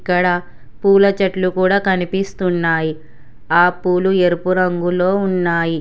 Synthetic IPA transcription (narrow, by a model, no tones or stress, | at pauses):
kːɐɽɐ | puːlɐt͡ʃɐʈlukuːɽaːkɐnipist̪unːaːji | aːpuːlueɾupuɾɐŋɡulo̞ːunːaːji